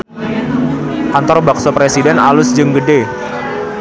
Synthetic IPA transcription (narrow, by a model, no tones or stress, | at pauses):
ʔant̪ɔrbaksɔpɾesidɛna̰lʊsd͡ʒəŋɡəde